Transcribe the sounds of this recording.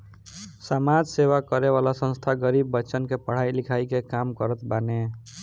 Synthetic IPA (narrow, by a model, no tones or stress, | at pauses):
samad͡ʒsewakʌɾeβalasʌ̃nst̪ʰaɡʌɾibːʌːt͡ʃənkepəɽ̤ajlikʰajkekamkʌɾət̪bane